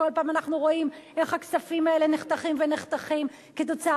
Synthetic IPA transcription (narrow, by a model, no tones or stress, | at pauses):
o̞lpaːmanaχnuʁo̞imʔe̞χhaksafimae̞leneχt̪aχimveneχt̪aχim | ket̪̬o̞t͡sa